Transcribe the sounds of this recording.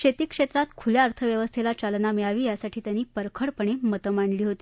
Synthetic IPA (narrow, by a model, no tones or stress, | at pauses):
ʂet̪iːkʂet̪ɾat̪kʰuljaəɾt̪ʰəʋjəʋəst̪ʰelat͡ɕalnamiɭaʋiːjasaʈʰiːt̪janiːpəɾkʰəɽpəɳ̃emət̪əmaɳliːɦot̪iː